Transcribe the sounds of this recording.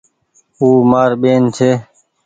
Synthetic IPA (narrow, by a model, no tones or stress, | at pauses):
uːmaːɾɓeːnt͡ʃʰeː